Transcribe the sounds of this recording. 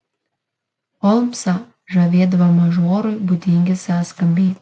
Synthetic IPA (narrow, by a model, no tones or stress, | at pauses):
ɔlˠmsɐ | ʒɐʋʲeɛd̪ɐʋɐmɐʒoːɾʊɪbʊd̪ʲɪŋʲɡʲɪsʲæːskɐmʲbʲeːt̪ʲ